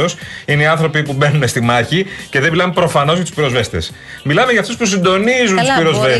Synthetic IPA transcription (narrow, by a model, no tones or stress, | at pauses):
osineiɐnθɾo̞pipube̞nune̞st̪imɐçice̞ðemilɐmpɾo̞fɐno̞zʝɐt̪u̥spiɾo̞zve̞st̪e̞̰s | milɐmeʝɐːft̪uspus̬ind̪o̞nizunt̪uspiɾo̞zve